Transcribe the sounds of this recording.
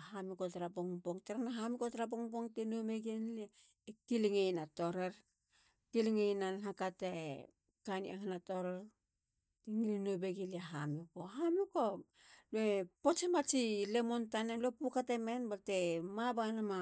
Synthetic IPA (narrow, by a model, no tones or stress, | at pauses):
hamikotaɾaboŋboŋtaɾanaɦamikotaɾaboŋboŋtenomeɡenle | kiliŋejnatoɾeɾ | kiliŋejnanɦakate | kanḭaŋanatoɾeɾ | tiŋilinobeɡilieɦamukoɦamuko | luepot͡ʃemat͡ʃilemontanelopukateme̞nbatemabanama